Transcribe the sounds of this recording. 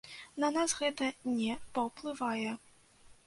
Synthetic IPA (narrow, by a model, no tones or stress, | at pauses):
nɐnasɣɛt̪ɐnʲɛpɐwplˠɨvajɛ